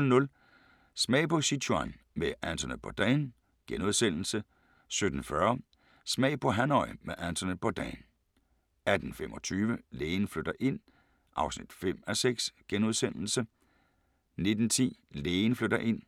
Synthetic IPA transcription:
nɔ̽l | smɛ̰ɪpʰɒ̽sit͡sʰuɑnmeʔænt͡sʰɐneð̚ˠbʰɒ̽d̥ɛɪn | ɡ̥enuð̞ˠsen̰l̩sə | sød̥n̩fɶɐ | smɛ̰ɪpʰɒ̽ɦænɒɪmeʔænt͡sʰɐne̥pʰɒd̥ɛ̰ːn | æd̥n̩femɒ̽t͡sʰyːʋəleːnfløɾ̥ɐʔe̝n̰ | ʔɑ̈ʊsnid̥fem̰æseɡ̥sɡ̥enuð̞ˠsen̰l̩sə | ne̝d̥n̩t͡sʰḭːleːnfløɾ̥ɐʔe̝n̰

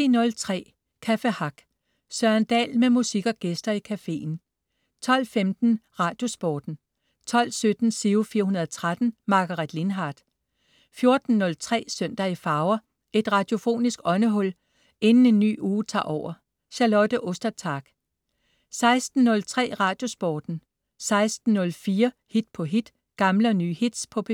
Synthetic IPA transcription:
ḭnɔ̽lt͡sʰʁɛ̰ː | kʰæfehɑ̈ɡ̥ | sɶɐnd̥ɛ̰ːlmemusiɡ̥ɒ̽ɡ̥esd̥ɐikʰæfe̝̰ːn̩ | t͡sʰɒ̽l̰femd̥n̩ʁɑ̈ːd̥jo̝sb̥ɒːd̥n̩ | t͡sʰɒ̽l̰sød̥n̩siʊfiːɐɦunɐð̞ˠɒt͡sʰʁad̥n̩mɑ̈ɡ̥ɑʁid̥linɦɑ̈ːd̥ | fjo̝ɐd̥n̩ːɔ̽lt͡sʰʁɛ̰ːsøn̰d̥ɐifɑ̈ʊɐ | e̝d̥ʁɑ̈d̥jo̝fo̝̰ːnisɡ̥ɒ̽nəɦɔ̽l̰ | e̝nn̩e̝nːy̰ːuːt͡sʰɑ̰̈ːʔɒʊ̰ɐ | ɕɑlɒ̽d̥əʔɔsd̥ɐt͡sʰɑ̈ːɡ̥ | sɑ̈ɪsd̥n̩ːɔ̽lt͡sʰʁɛ̰ːʁɑ̈ːd̥jo̝sb̥ɒːd̥n̩ | sɑ̈ɪsd̥n̩ːɔ̽lfiːɐhid̥̚pʰɒ̽ɦid̥ | ɡ̥ɑ̈mləɒny̰ːhid̥spʰɒ̽b̥

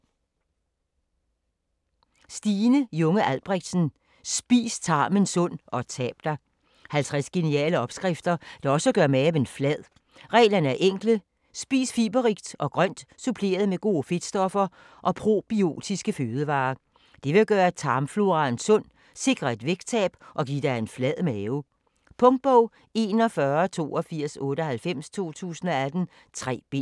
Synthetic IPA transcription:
sd̥iːnəjɔŋəʔælb̥ʁeɡ̥d̥sn̩ | sb̥ḭːst͡sʰɑ̈ːmənsɔ̽n̰ɒ̽t͡sʰɛ̰ːb̥d̥æ | hælt͡sʰʁæsɡ̥e̝niɛ̰ːləɒ̽b̥sɡ̥ʁafd̥ɐd̥ɑ̈ɒ̽səɡ̥ɶɐmeʋenflæð̰ˠ | ʁɛ̰ːlɐnəæɐʔeŋ̰ɡ̥lə | sb̥ḭːsfiːb̥ɐʁiɡ̥d̥ʔɒ̽ɡ̥ʁɶn̰d̥supʰle̝̰ːɐð̞̩ˠmeɡ̥o̝̰ːfe̝d̥sd̥ɒ̽fɐ | ʔɒ̽pʰʁo̝̰ːb̥io̝̰ːd̥isɡ̥əføːð̞ˠəʋɑ̈ː | d̥e̝ʋe̝ɡ̥ɶːɐt͡sʰɑ̈ːmflo̝ʁɑ̈nsɔ̽n̰ | se̝ɡ̥ʁɐe̝d̥ʋeɡ̥t͡sʰɛ̰ːb̥ʔɒ̽ɡḭːd̥æe̝nflɛð̰ˠmɛːʊ | pʰɔ̽ŋd̥̚b̥ɔʊ̰ | e̝ːnɒ̽fɶɐt͡sʰo̝̰ːɒ̽fiɐ̰sɔ̽ːɾəɒ̽hælfem̰st͡sʰo̝̰ːt͡sʰṵːsən̩ɒ̽æd̥n̩ | t͡sʰʁɛ̰ːb̥e

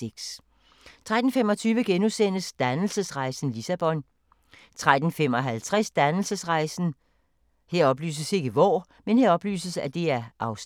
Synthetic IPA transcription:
eɡ̥s | t͡sʰʁad̥n̩femɒ̽t͡sʰyːʋəɡ̥enusen̰əsd̥ænl̩səsʁɑ̈ɪsn̩lisæb̥ɒ̽n | t͡sʰʁad̥n̩fem̰ɒ̽ɦælt͡sʰʁɛsd̥ænl̩səsʁɑ̈ɪsn̩ | he̝ɐ̰ɒ̽b̥ly̰ːs̬əse̝ɡ̥əʋɒː | menhe̝ɐɒ̽b̥ly̰ːsəsæd̥e̝æɐʔɑ̈ʊs

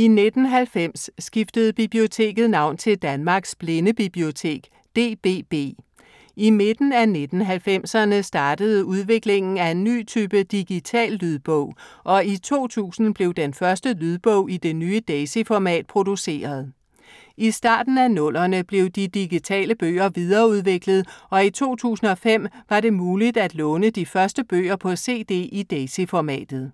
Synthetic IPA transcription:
ine̝d̥n̩ɦælfem̰sːɡ̥ifd̥əð̞̩ˠb̥ib̥lio̝t͡sʰe̝̰ːɡ̥ð̩ˠnɑ̈ʊ̰nt͡sʰe̝ld̥ænmɑ̈ːɡ̥sb̥le̝nəb̥ib̥lio̝t͡sʰe̝̰ːɡ̥ | d̥e̝̰ːb̥e̝̰ːb̥e̝̰ː | ime̝d̥n̩æne̝d̥n̩ɦælfem̰sɐnəsd̥ɑ̈ːd̥əð̞̩ˠuð̞ˠʋe̝ɡ̥le̝ŋn̩æe̝nːy̰ːt͡sʰyːb̥əd̥iɡ̥it͡sʰɛ̰ːlːyð̞ˠb̥ɔʊ̰ʔɒ̽it͡sʰo̝̰ːt͡sʰṵːsn̩b̥le̝ʊd̥enfɶɐsd̥əlyð̞ˠb̥ɔʊ̰id̥e̝nyːəd̥ɛsefɒmɛ̰ːd̥̚pʰʁo̝d̥use̝̰ːɐð̞ˠ | isd̥ɑ̰̈ːd̥n̩ænɔ̽l̰ɐnəb̥le̝ʊd̥id̥iɡ̥it͡sʰɛ̰ːləb̥ø̰ːɐʋiðˠɐːuð̞ˠʋe̝ɡ̥ləð̩ˠɒ̽it͡sʰo̝̰ːt͡sʰṵːsn̩ɒ̽fem̰ʋɑ̈ɾe̝muːlid̥æd̥lɔːnəd̥ifɶɐsd̥əb̥ø̰ːɐpʰɒ̽se̝̰ːd̥e̝̰ːid̥ɛːsefɒmɛ̰ːd̥ð̞̩ˠ

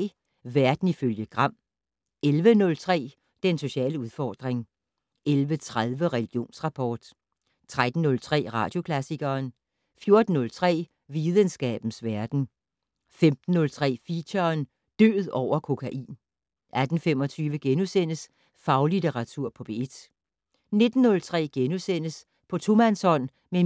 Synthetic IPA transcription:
ʋæɐd̥n̩iføljəɡ̥ʁɑ̈m̰ | elʋənɔ̽lt͡sʰʁɛ̰ː | d̥enso̝ɕɛ̰ːləuðˠfɒ̰ːd̥ʁeŋ | elʋət͡sʰʁaðˠʋəʁɛliɡ̥jo̝̰ːnsʁɑ̈pʰɒ̰ːd̥ | t͡sʰʁad̥n̩ːɔ̽lt͡sʰʁɛ̰ːʁɑ̈ːd̥jo̝kʰlæsiɡ̥ɐːn | fjo̝ɐd̥n̩ːɔ̽lt͡sʰʁɛ̰ː | ʋiðˠənsɡ̥ɛ̰ːb̥n̩sʋæɐd̥n̩ | femd̥n̩ːɔ̽lt͡sʰʁɛ̰ːfiɕɐːn | d̥ø̰ːð̞̩ˠɒʊ̰ɐkʰo̝kʰæʔḭːn | ʔæd̥n̩fem̰ɒ̽t͡sʰyːʋəɡ̥enusen̰əs | fɑ̈ʊlidʰeʁɑ̈t͡sʰuɐ̰pʰɒ̽b̥e̝ed̥ | ne̝d̥n̩ːɔ̽lt͡sʰʁɛ̰ːɡ̥enusen̰əs | pʰɒ̽t͡sʰo̝mænsɒ̽n̰ | me

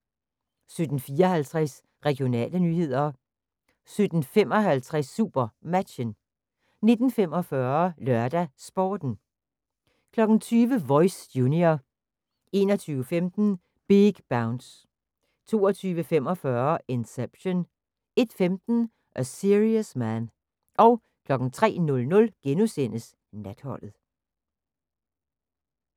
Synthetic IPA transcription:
sød̥n̩fiːɐhælt͡sʰʁɛs | ʁɛɡ̥ijo̝nɛ̰ːlənyːhe̝ð̞̰ˠɐ | sød̥n̩fem̰ɒ̽ɦælt͡sʰʁɛsːṵb̥ɐmæd̥ɕən | ne̝d̥n̩femɒ̽fɶɐlœɐd̥æsb̥ɒːd̥n̩ | kʰlɒ̽ɡ̥n̩t͡sʰyːʋəʋɒ̽ɪsjunio | e̝̰ːnɒt͡sʰyːʊəfemd̥n̩ | b̥iɡ̥b̥äʊnd̥s | t͡sʰo̝ːɒt͡sʰyːʋəfemɒ̽fɶɐe̝nseb̥ɕon | e̝d̥femd̥n̩ | ʔɒsiʁiəsmæn | ʔɒ̽ʊ | kʰlɒ̽ɡ̥n̩t͡sʰʁɛ̰ːnɔ̽lnɔ̽lɡ̥enusen̰əs | næd̥hɒ̽l̰ð̩ˠ

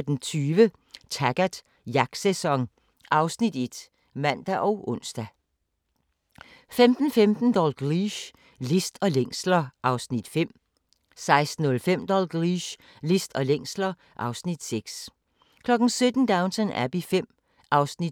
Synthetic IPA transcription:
d̥ent͡sʰyːʋə | t͡sʰæɡ̥æd̥ | jɑɡ̥sesɒ̽ŋ | ʔɑ̈ʊsnid̥e̝d̥ | mæn̰d̥æʔɒʊʔɔ̽n̰sd̥æ | femd̥n̩femd̥n̩d̥ɒlɡ̥ʁiɕ | lisd̥ɒ̽leŋ̰slɐʔɑ̈ʊsnid̥fem̰ | sɑ̈ɪsd̥n̩ɔ̽lfem̰d̥ɒlɡ̥ʁiɕ | lisd̥ɒ̽leŋ̰slɐ | ʔɑ̈ʊsnid̥seɡ̥s | kʰlɒ̽ɡ̥n̩sød̥n̩d̥ɑ̈ʊnsʰənæb̥ifem̰ | ʔɑ̈ʊsnid̥

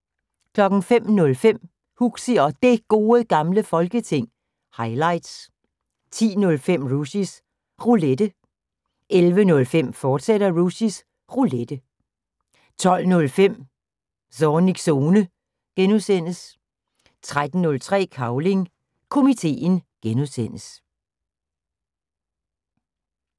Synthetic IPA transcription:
kʰlɒ̽ɡ̥n̩fem̰nɔ̽lfem̰ | huɡ̥siɒ̽d̥e̝ɡ̥o̝ːəɡ̥ɑ̈mləfɒ̽lɡ̥ət͡sʰe̝ŋ̰ | hɑ̈ɪlɑ̈ɪd̥s | t͡sʰḭːnɔ̽lfem̰ʁusis | ʁuled̥ə | ʔelʋənɔ̽lfem̰fɒːd̥seɾ̥ɐʁusis | ʁuled̥ə | t͡sʰɒ̽l̰nɔ̽lfem̰ | sɒniɡ̥so̝ːnə | ɡ̥enuðˠsen̰əs | t͡sʰʁad̥n̩ːɔ̽lt͡sʰʁɛ̰ːkʰɑ̈ʊle̝ŋ | kʰo̝mit͡sʰe̝̰ːnɡ̥enuðˠsen̰əs

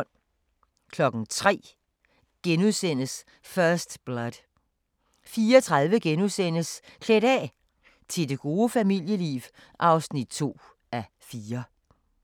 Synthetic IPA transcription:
n | kʰlɒ̽ɡ̥n̩t͡sʰʁɛ̰ː | ɡ̥enuðˠsen̰əs | fɶɐsd̥b̥lɒðˠ | fiːɐɒt͡sʰʁɑðˠʋəɡ̥enuðˠsen̰əskʰleɾ̥ɛ̰ | t͡sʰe̝lde̝ɡ̥o̝ːəfæmil̰jəlḭːʋ | ʔɑ̈ʊsnid̥t͡sʰo̝̰ː | æ | fiːɐ

